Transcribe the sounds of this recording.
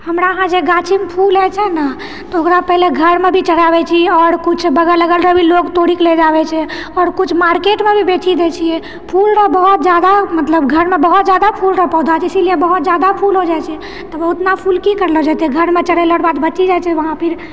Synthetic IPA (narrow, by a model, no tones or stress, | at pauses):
həmɾaɦãd͡ʒeɡat͡ʃʰimpʰulɛt͡ʃʰɛnə | t̪ɔokɾapɛɦleɡʱəɾmebʱit͡ʃəɽabɛt͡ʃʰiɔːɾkut͡ʃʰbəɡələɡəlɾəbʱilokt̪oɽikled͡ʒabɛt͡ʃʰɛ | ɔːɾkut͡ʃʰmaɾkeʈmebʱibeʈʰid̪et͡ʃʰijɛ | pʰulɾəbəɦut̪̚d͡ʒad̪amət̪ləbɡʱəɾmebəɦut̪d͡ʒad̪apʰulɾəɦpɔɦud̪at͡ʃʰisiliebəɦut̪̚d͡ʒjad̪apʰulɦod͡ʒat͡ʃʰɛ | t̪ɔbəɦut̪napʰulkikəɾlod͡ʒat̪ɛɡʱəɾmẽt͡ʃəɽɛləɽbad̪bət͡ʃid͡ʒat͡ʃʰɛʋəɦãpʰiɾ